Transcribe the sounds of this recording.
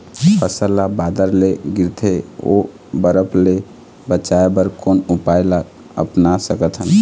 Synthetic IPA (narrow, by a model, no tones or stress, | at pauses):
pʰəsəlːabad̪əɾleɡiɾt̪ʰeo̰ | bəɾəpʰle | bət͡ʃaebəɾkonupajla | ə̰pnasəkət̪ʰɦəl